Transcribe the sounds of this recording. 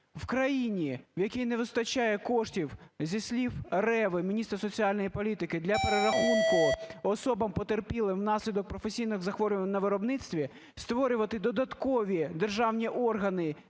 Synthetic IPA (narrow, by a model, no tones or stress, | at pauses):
wkɾɐjinʲiwjɐkijnɛʋɪst̪ɐt͡ʃajɛkɔʂtʲiwzʲisʲlʲiwrɛʋɪmʲinʲist̪rɐsɔt͡sʲiɑlʲnɔjipɔlʲit̪ɪkɪd̪lʲɐpeɾeɾɐxunkʊɔsɔbɐmpɔt̪erpʲilˠɪmnɑsʲlʲid̪ɔk̚pɾɔfesʲijnɪɣzɐxʋɔɾʲʊʋɐnʲnɐʋɪɾɔbnɪt̪sʲt̪ʋʲi | st̪ʋɔɾʲʊʋɐt̪ɪd̪ɔd̪ɐt̪kɔʋʲid̪erʒɑwnʲiʔɔrɦɐnɪ